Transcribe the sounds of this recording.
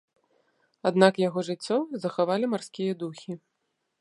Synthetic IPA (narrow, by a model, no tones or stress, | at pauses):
ad̪nakjaɣɔʐɨt͡sʲːɔzɐxavalʲimarskʲijɐd̪uxʲi